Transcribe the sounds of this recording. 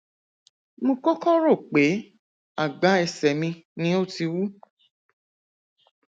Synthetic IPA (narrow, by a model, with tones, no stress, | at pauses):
mõ˧kɔ˦kɔ˦ɾo˦˨k͡pe˨˦ | a˦˨ɡ͡ba˨˦ɛ˨sɛ˨mĩ˧nĩ˦o˦˨ti˧wu˦